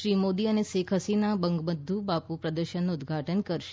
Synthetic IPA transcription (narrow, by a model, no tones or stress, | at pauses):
ʃɾimod̪iənesekʰəsinabəŋɡbəd̪ʱːubapupɾəd̪əɾʃənːuʊd̪ɡʱaʈənkəɾʃ